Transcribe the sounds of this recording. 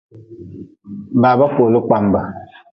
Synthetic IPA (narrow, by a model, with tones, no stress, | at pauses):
baː˨ba˦ko˨lo˦k͡pa˦mba˨